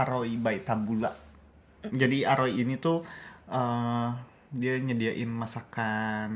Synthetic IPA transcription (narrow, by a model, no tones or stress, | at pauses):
aɾoibait̪abula̰ʔ | d͡ʒadiaɾoiːnit̪uə | diaɲədiaʔɪnmasakan